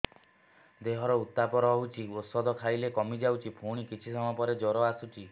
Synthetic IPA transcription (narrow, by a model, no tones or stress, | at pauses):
d̪eɦɔɾɔut̪ːapɔɾɔɔɦut͡ʃʰiosɔd̪ʱɔkʰajlekɔmid͡ʒawt͡ʃʰipʰuɽ̃ikit͡ʃʰisɔmɔpɔɾed͡ʒɔɾɔasut͡ʃʰi